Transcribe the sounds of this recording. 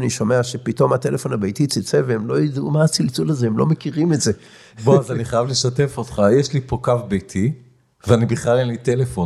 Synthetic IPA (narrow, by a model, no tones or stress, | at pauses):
niʃo̞me̞aʃepito̞mate̞lefo̞nabejtit͡sit͡seveemlo̞jid̪ṵmaːt͡silt͡sulazeemlo̞mekiʁimetze | boazaniχajavle̞ʃate̞fotχajeʃlipo̞kafbejtʰi | veanibiχlalenlitelefo̞